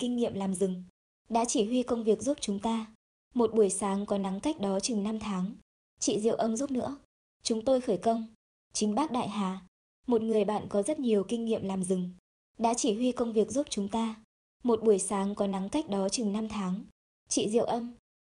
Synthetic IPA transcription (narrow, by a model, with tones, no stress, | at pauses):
kï˧ŋŋḭ˧˨əmlaː˨˩mzɨ˨˩ŋ | ɗa̰ː˧˥t͡ɕi˧˩hi˧kə˧wŋ͡mvi˨˩ək̚u˦˥p̚t͡ɕʊ˨˦ŋ͡mt̪aː˧ | mo˨˩t̚ɓu˧˩əjsaː˨˦ŋkɔ˨˦na˨˦ka˦˥jk̟̚ɗɔ˨˦t͡ɕɨ˨˩ŋna˧mt̪ʰaː˨˦ŋ | t͡ɕḭ˧˨zḭ˧˨ə˨wʔə˧mzu˦˥p̚nɨ̰˧˥ə | t͡ɕʊ˨˦ŋ͡mt̪o˧jxəː˧˩jkə˧wŋ͡m | t͡ɕï˨˦ŋ̟ɓaː˦˥k̚ɗa̰ː˧˨jɦaː˨˩ | mo˨˩t̚ŋɨ˨˩əjɓa̰ː˧˨nkɔ˨˦zə˦˥t̚ɲi˨˩əwkï˧ŋ̟ŋḭ˧˨əmlaː˨˩mzɨ˨˩ŋ | ɗa̰ː˧˥t͡ɕi˧˩hwi˧kə˧wŋ͡mvi˨˩ək̚zu˦˥p̚t͡ɕʊ˨˦ŋ͡mt̪aː˧ | mo˨˩t̚ɓu˧˩əjsaː˨˦ŋkɔ˨˦na˨˦ŋka˦˥jk̟̚ɗɔ˨˦t͡ɕɨ˨˩ŋna˧mt̪ʰaː˨˦ŋ | t͡ɕḭ˧˨zḭ˧˨əwʔə˧m